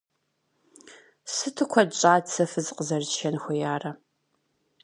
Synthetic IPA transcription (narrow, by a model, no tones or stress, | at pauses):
sɨtʰɨkʷʰɔt͡ʃʼaːt͡sʰɐfɨzqəzɐrzʃɐnxʷɔjaːrɐ